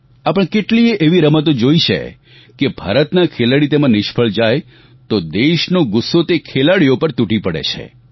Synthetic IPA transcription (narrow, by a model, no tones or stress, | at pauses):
apəɳ̃keʈlieʔeʋiɾəmət̪̬od͡ʒoiʃḛ | kebʱa̰ɾət̪nakʰelaɽit̪emãnɪʃpʰəɭd͡ʒaj | t̪od̪eʃnoɡʊsːot̪ekʰelaɽijopəɾt̪uʈipəɽḛt͡ʃʰḛ